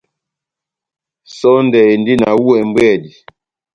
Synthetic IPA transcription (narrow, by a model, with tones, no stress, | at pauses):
sɔ˦n˦dɛ˨e˨ndi˦na̰˨wu˦ɛ˨m̩˦bwɛ˦˨di˨